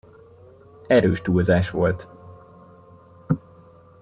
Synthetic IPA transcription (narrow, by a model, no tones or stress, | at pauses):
ɛɾøːʃt̪uːlzaːʃʋo̞lt̪